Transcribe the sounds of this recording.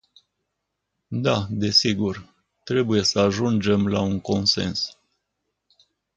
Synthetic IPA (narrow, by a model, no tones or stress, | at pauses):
d̪ad̪e̞siɡur | t̪ɾe̞buje̞səaʒund͡ʒe̞mlauŋko̞nse̞̰ns